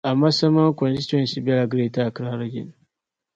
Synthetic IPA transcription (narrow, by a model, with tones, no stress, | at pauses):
ʔa˨mːa˦sɐ˦ma˦ŋ˦kɔ˨nsi˦tɔ˨n˨si˦bɛ˦la˨ɡɾe˦ta˦˨kɾa˦ɾa˦ɡʲɪ̰˨n